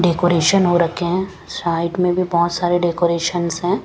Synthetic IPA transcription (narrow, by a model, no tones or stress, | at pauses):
ɖeːkoːɾeːʃənɦoɾɐkʰeɦɛ̃ː | saːɪʈmẽbʱibɔɦt̪saːɾeɖeːkoːɾeːʃənsɦɛ̃ː